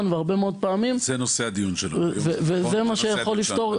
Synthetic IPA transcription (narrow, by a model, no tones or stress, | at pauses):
nveaʁbemeo̞d̪̚paːmimzenosead̪ijunʃelvevezemaʃejaχolːift̪o̞ʁ